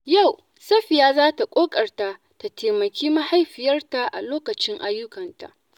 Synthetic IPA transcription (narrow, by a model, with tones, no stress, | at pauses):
ja˦˨w | sɐ˦ɸɪ˨jaː˦zaː˦ta˨kʷʼoː˦kʼɐ˨rta˨ʔ | ta˨tʰeː˨mɐ˨kʲiː˦ma˦ha˦jɸɪ˨jɐ˦rta˨ʔa̰˨loː˦kɐ˨t͡ʃɪ˦ŋʔa˦jːʊ˦kɐ˨nta̰˨ʔ